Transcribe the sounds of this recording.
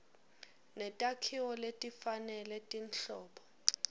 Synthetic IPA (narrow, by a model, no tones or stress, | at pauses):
nɛtʼakʰiwɔletʼifanɛlɛtʼinɬɔːpʰɔ̥